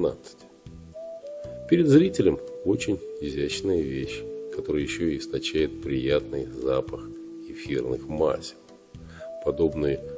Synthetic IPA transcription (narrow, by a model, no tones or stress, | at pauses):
na̰t̪sɨ̥tʲ | pʲɪɾʲɪd̪zɾʲitʲɪlʲəmo̞t͡ɕɪnʲɪzʲæt͡ɕnəjəvʲeɕːkɐt̪o̞ɾɨjɪɕːoɪɪst̪ɐt͡ɕæjɪt̪̚pɾʲɪjat̪nɨjzapəxɪfʲirnɨxma̰sʲɪ | pɐd̪o̞bnɨjə